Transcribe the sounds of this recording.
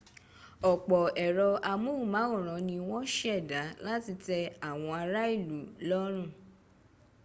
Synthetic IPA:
ɔ˨k͡pɔ˨ɛ˨ɾɔ˧a˧mũ˦˨mã˨˦ũ˦˨ɾ̃ɔ̃˨˦nĩ˧w̃ɔ̃˦ʃɛ˦˨da˨˦la˦ti˧tɛ˧a˦˨w̃ɔ̃˧a˧ɾa˦i˦˨lu˨˦lɔ˦ɾ̃ũ˦˨

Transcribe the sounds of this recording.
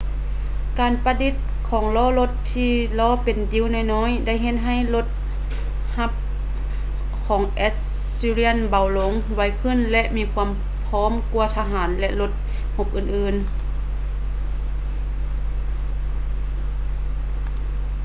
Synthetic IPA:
kaː˨˩npa˧di˧˥t̪̚ | kʰɔː˩˦ŋlɔː˧˥˦lo˧t̪ʰːiː˧lɔː˧˥pe˨˩ndi˨˧˥wnɔː˧˩˨jnɔː˧˥˨jda˥˩˨jɦe˧t̪̚ɦa˧˥˩jlo˧˦t̪̚ | ha˧p̚ | kʰɔː˨˩˦ŋʔɛː˧˥t̪̚ | siː˧li˧˥ənba˨˩wlo˨˦ŋ | wa˧˩jkʰɯ˧˥˨nlɛ˧ʔmiː˧˥kʰuː˧əm | pʰɔː˧˥˨mku˧ɐt̪ʰa˧ɦaː˩˦nlɛ˧ʔlo˧˦t̪̚ | ho˧˥p̚ʔɯː˨˩nʔɯː˧˨n

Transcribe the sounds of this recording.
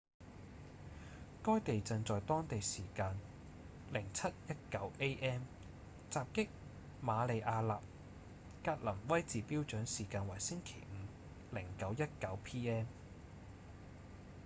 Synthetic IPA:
kɔː˥jt̪e˨jt͡sɐ˨˧ŋt͡sɔː˨jt̪ɔː˥ŋt̪e˨jsiː˨˩kaː˧n | lɪ˨˩ŋt͡sʰɐ˥t̚jɐ˥t̚kɐ˨˥wʔe˥jʔɛː˥m | t͡saː˨p̚kɪ˥k̚ | maː˨˧le˨˧jʔaː˧laː˨p̚ | kaː˧t̚lɐ˨˩mwɐ˥jt͡siː˨piː˥wt͡ʃœː˨˥ŋsiː˨˩kaː˧nwɐ˨˩jsɪ˥ŋkʰe˨˩jŋ̩˨˧ | lɪ˨˩ŋkɐ˨˥wjɐ˥t̚kɐ˨˥wpʰiː˥ɛː˥m

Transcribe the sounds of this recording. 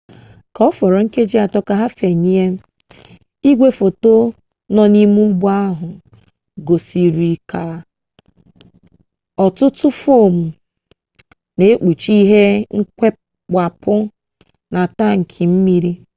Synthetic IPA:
kɔ˨ɔ˦fɔ˨ɾɔ˨ŋ̩˦ke˦d͡ʒi˦a˨tɔ˦ka˦ɦa˦fe˨ɲi˦e˦ | i˦ɡʷe˦fo˨to˦ | nɔ˦ni˦mu˦bu˦a˦ɦʊ˨ | ɡo˨si˨ɾi˨ka˨ | ɔ˨tʊ˦tʊ˦fo˦˨m̩˨ | ne˨e˦k͡pu˨t͡ʃi˦ɦe˦ŋ̩˦kʷe˦ | k͡pa˨pʊ˦ | na˨ta˦ŋ̩˨kʰi˨m̩˦mi˦ɾi˦

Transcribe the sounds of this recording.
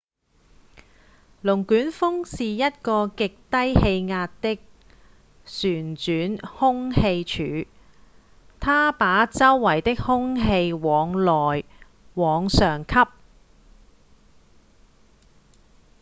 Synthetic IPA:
lʊ˨˩ŋkyː˨˥nfʊ˥ŋsiː˨jɐ˥t̚kɔː˧kɪ˨k̚t̪ɐ˥jhe˧jŋaː˧tt̪ɪ˥k̚ | syː˨˩nt͡ʃyː˨˥nhʊ˥ŋhe˧jt͡ʃʰyː˨˧˥ | t̪ʰaː˥paː˨˥t͡sɐ˥wːɐ˨˩jt̪ɪ˥k̚hʊ˥ŋɦe˧jwɔː˨˧ŋlɔː˨˩j | wɔː˨˧ŋsœː˨˩ŋkʰɐ˥p̚

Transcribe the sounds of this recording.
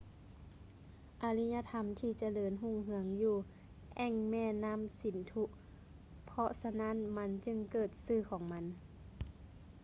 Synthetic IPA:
ʔa˧li˧˥ɲa˧˨t̪ʰa˧˦mt̪ʰiː˧˩t͡ɕa˧lɤː˧˥nɦu˧˩˨ŋɦɯ˧˦əŋjuː˧˩ | ʔɛ˧˩ŋmɛː˧˩˨na˧˥˨msi˨˩˦nt̪ʰu˧ʔ | pʰɔ˧ʔsa˧na˧˥˨nma˧˥nt͡ɕɯ˧˨ŋkɤː˧˨˩t̪̚sɯː˧˩kʰɔː˩˦ŋma˧˥n

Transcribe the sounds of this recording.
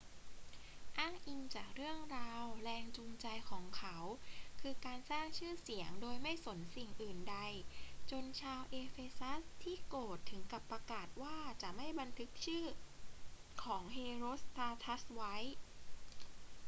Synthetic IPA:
ʔaː˥˩ŋʔi˧ŋt͡ɕaː˨˩k̚ɾɯ˥˩əŋɾaː˧wɾɛː˧ŋt͡ɕu˧ŋt͡ɕa˧jkʰɔː˩˦ŋkʰa˦˥wkʰɯː˧kaː˧nsaː˥˩ŋt͡ɕʰɯː˥˩si˩˦əŋdoː˧jma˥˩jso˩˦nsi˨˩ŋʔɯː˨˩nda˧jt͡ɕo˧nt͡ɕʰaː˧wʔeː˧feː˧sa˦˥st̪ʰiː˥˩koː˨˩t̪ʰːɯ˩˦ŋka˨˩pːa˧kaː˨˩t̪̚waː˥˩t͡ɕa˨˩ʔma˥˩jba˧nt̪ʰɯ˦˥k̚t͡ɕʰɯː˥˩ | kʰɔː˩˦ŋɦeː˧ɾoː˦˥st̪aː˧t̪ʰa˦˥swa˦˥j

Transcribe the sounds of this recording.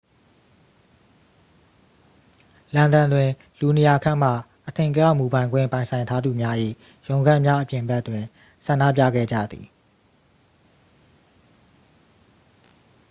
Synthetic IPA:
lã˨nd̪ã˨ndwɪ̃˨ | lu˨ne˨ja˨kʰã˦˨m̥a̰˦˨ | ʔətʰɪ̃˨ŋkəja˦˨mu˨bã˨ɪ̃ŋɡwɪ̰̃˦˨pã˨ɪ̃sʰã˨ɪ̃ntʰa˦d̪u˨mja˦ʔḭ˦˨ | jõ˨ʊ̃ŋɡã˦ʔmja˦ʔəpjɪ̃˨mbɛ˦ʔtːwɪ̃˨ | sʰã˨ndä̰˦˨p̬ja̰˦˨ɡɛ̰˦˨d͡ʑä̰˦˨d̪ḭ˨

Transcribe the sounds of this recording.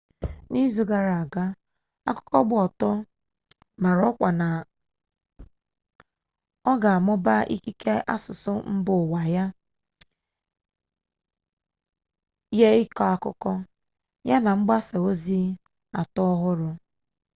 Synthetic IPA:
ni˦zu˨ɡa˨ɾa˨a˨ɡa˦ | a̰˦kʊ̥˦kɔ˦ɡ͡bʊ˦˨ɔ˨tɔ˦ | ma˨ɾɔ˦kʷa˨na˨ | ɔ˦ɡa˨a˨mʊ˦ba˦ʔḭ˦ki˦ke˦ʔa̰˦sʊ˨sʊ˦m̩˦bʊ˨wa˨ja˦ | je˦ɪ˦kɔ˦a˦˨kʊ̰˦kɔ˦ | ja˦na˨ŋ͡m̩˦ɡ͡ba˦sa˨o˦zi˦ | a˨tɔ˦ɔ˦ɦʊ˦ɾʊ˦

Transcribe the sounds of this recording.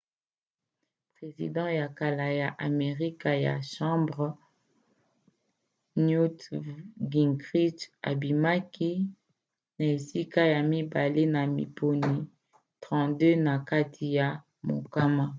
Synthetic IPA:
pʁe˨zḭ˨dɑ̃˦ja˨ka˨la˨ja˨ʔa˨me˨ʁi˦ka˨ja̰˨ʃɑ̃˦bʁ | nju˦tɡi˨ŋɡʁi˦ta̰˨bi˨ma˦ki˦ | na˨e˨si˦ka˦ja˨mi˦ba˨le˦na˨mḭ˨pʰo˨ni˨ | tʁɑ̃˦dø˦na˨ka˦tʰi˨ja˨ | mo̰˨ka˦ma˦

